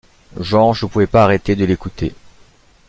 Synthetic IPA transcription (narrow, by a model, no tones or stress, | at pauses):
ʒɑ̃ʒəpuvɛpaːʁet̪ed̪əlekut̪ʰḛ